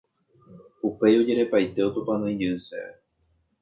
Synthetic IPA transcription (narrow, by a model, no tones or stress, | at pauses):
upe̞jo̞d͡ʒe̞ɾe̞pajt̪e̞o̞t̪opanõĩd͡ʒɨsḛe